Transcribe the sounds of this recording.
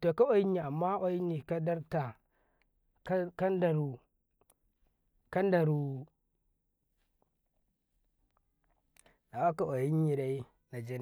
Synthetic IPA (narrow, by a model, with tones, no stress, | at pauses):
to˨ka˦o˦ji˦ɲi˨a˨mːa˦ʔo˦ji˦ɲi˨ka˦da˦ɾta˨ | kka˦nda˨ɾu˨ | ka˦nda˨ɾu˨ | na˨wa˦ka˨ʔa˨ji˦ɲ˦i˨ɾa˨˦i˦ | na˨d͡ʒe˦n˨